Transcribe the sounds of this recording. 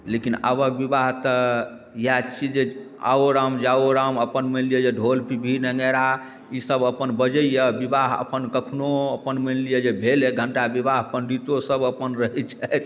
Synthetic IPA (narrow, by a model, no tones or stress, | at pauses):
lekina̰bək̚bibaɦt̪ə | jat͡ʃid͡ʒea̰oɾamd͡ʒaoɾaməpənmənlijəd͡ʒeɖʱolpibʱinɛɡəɾa | isəbəpənbəd͡ʒəijəbibaɦə̰pənkəkʰnoəpənmənlijəd͡ʒebʱeleɡʱəɳʈabibaɦpənɖit̪osəbəpənɾəɦɛt͡ʃʰɛt̪ʰ